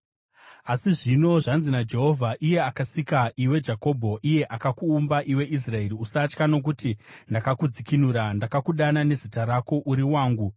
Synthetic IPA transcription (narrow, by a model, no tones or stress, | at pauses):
asiʐino̞ʐanzinad͡ʒe̞ɦo̞vʱaʔije̞akasikaʔiwe̞d͡ʒako̞bʱo̞ʔije̞ʔakakuːmbaʔiwe̞ʔis̬rae̞ɾiusat͡ʃkano̞k̬utindakakud͡zikinuɾandakakuɗanane̞zitaɾako̞ʔuɾiwaːŋɡu